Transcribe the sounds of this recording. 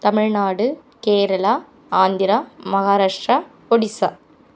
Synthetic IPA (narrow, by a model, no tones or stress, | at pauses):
t̪ɐmɪɻnaːɽɯkeːɾɐla | aːnd̪ɪɾamɐɣaːɾaːʂʈɾa | ɔɽɪsɐ